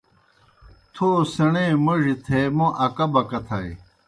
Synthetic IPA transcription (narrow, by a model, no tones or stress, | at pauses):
t̪ʰoːsɐneːmɐʑit̪ʰeːmoʔɐkɐbɐkɐt̪ʰɐj